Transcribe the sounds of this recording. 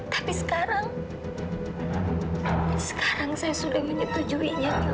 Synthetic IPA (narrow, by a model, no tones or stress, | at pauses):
t̪ḁpisə̥kaɾaŋ | sə̥kaɾaŋsajasudahmiɲut̪ud͡ʒuiɲa